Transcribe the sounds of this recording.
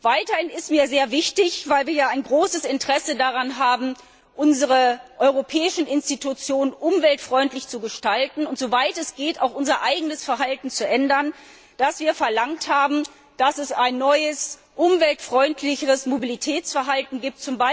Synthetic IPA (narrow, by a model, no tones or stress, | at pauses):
v̥aɪtɐhɪnɪstmiːɐzeːɐvɪçtɪçv̥aɪlviːɐjaːaɪnɡʁoːsəsɪntəʁ̥ɛsədaʁanɦaːbm̩ | ʔʊnzəʁəʔɔʏʁopʰɛːɪʃn̩ɪnstitut͡sjoːnənʔʊmvɛltfʁ̥ɔʏntlɪçt͡suɡəʃtaltn̩ʊntz̥ovaɪtɛsɡ̥eːta̰ʊxʔʊnzɐʔaɪɡənəsfɛɐɦaltn̩t͡suʔɛndɐn | d̥asv̥iːɐfɛɐlaŋthaːbm̩ | d̥asɛsaɪnːɔʏəs | ʔʊmvɛltfʁ̥ɔʏntʰlɪçəʁəsmobilitʰɛːt͡sfɛɐɦaltn̩ɡiːp̚t̚t͡sʊmbaɪ